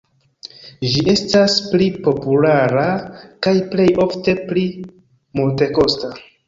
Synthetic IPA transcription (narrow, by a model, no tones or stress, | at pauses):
d͡ʒiʔe̞stasplipo̞pulaɾakajple̞jʔo̞fte̞pli | multe̞ko̞sta